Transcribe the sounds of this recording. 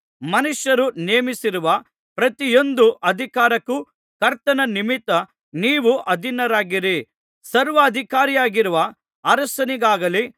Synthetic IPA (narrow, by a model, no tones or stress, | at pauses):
mɐnuʃjɐɾuneːmisiɾuʋɐ | pɾɐt̪ijo̞nd̪uʔɐd̪ʱikaːɾɐkːu | kɐɾt̪ɐnɐnimit̪ːɐ | niːʋuʔɐd̪ʱinɐɾaːɡiɾi | sɐɾʋɐːd̪ʱikaːɾijaːɡiɾuʋɐ | ɐɾɐsɐniɡaːɡɐli